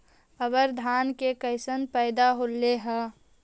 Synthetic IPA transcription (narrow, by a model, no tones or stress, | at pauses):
əbəɾd̪ʱaːnkekəɪsənpɛːd̪aɦoleɦɛː